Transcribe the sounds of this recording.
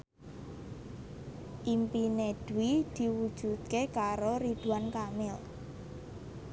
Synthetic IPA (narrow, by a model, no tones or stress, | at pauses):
ʔimpineɖ̪̥wid̪̥i̤wud̥ʒ̥ut̪̚kekaɾoɾid̥ṳwankamɪl